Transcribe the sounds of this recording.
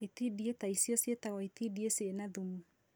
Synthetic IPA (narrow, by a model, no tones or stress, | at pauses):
itidietaisjɔsjetaɣɔit̪idiesenaðumu